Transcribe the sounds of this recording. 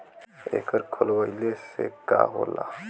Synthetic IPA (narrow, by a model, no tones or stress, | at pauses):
ḛkʰəɾkʰolʋailesekaɦola